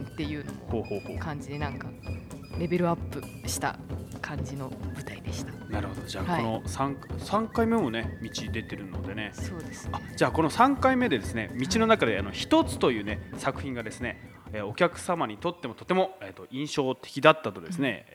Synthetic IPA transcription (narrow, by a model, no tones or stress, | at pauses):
t̪ːe̞jɯ̟ːno̰mohoːho̞ːho̰ːkʰãɲd͡ʑid̪e̞nãŋka | ɾe̞be̞ɾɯ̟apːɯ̟ɕi̥t̪a̰kʰãɲd͡ʑino̞bɯ̟t̪aid̪e̞ɕi̥t̪ḁnaɾɯ̟ho̞d̪od͡ʑaːono̞sãŋksãŋkaime̞mo̞ne̞mʲit͡ɕid̪e̞t̪e̞ɾɯ̟no̞̰d̪e̞ne̞soːd̪esɨ̥ad͡ʑaːko̞no̞sãŋkaime̞d̪e̞d̪e̞sɨne̞mʲit͡ɕino̞nakad̪e̞ano̞çi̥t̪o̞t͡sɨ̥t̪o̞jɯ̟ːne̞sakɯ̟̥çĩŋɡad̪e̞sɨne̞ | eːo̞kʲakɯ̟̥samaɲ̟it̪o̞t̪ːe̞mo̞t̪o̞t̪ːe̞mo̞eːt̪ːo̞ĩɰ̃ɕo̞ːt̪e̞̥kʲid̪at̪ːat̪o̞d̪e̞sɨne̞̰